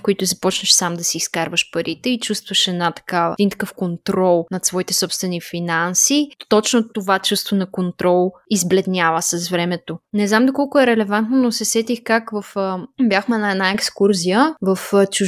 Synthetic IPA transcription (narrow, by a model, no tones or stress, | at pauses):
koit̪ʊzɐpɔt͡ʃnəʃsamd̪ɐsiːskaɾvəʃpɐɾʔit̪ɛit͡ʃust̪vəʃɛd̪nat̪ɐ̥kadint̪ɐ̥kɤfkont̪ɾɔlˠnɐt̪svɔit̪ɛsɔpst̪vɛnifinansit̪ɔt͡ʃnot̪ovat͡ʃɤst̪vonɐkont̪ɾɔlˠizblɛd̪nʲjavəsɐzvɾɛmɛt̪onɛznamd̪okɔlˠkʊɛɾɛlɛvant̪nonosɛsɛt̪ixkakvəfbʲjaxmɛnɐɛd̪naɛkskuɾzijəvɐft͡ʃu